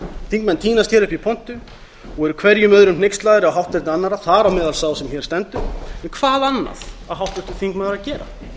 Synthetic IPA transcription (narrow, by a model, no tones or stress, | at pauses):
θĩŋkmɛnt̪ʰiːnast̪çɛɾʏhpipʰɔn̥t̪ʏ | ɔɣɛɾʏkʰvɛɾjʏmœðɾʏmnejkst̪laːjðɪɾɪawɦawht̪ɛt̪nɪanːaɾaθaɾawmɛːðalsaːwsɛmçɛɾ̥st̪ɛnt̪ʏɛnkʰv̥aːðanːa̰ðaðɦawht̪ʏht̪ʏ̥θiŋkmɛnaɾacɛːɾa̰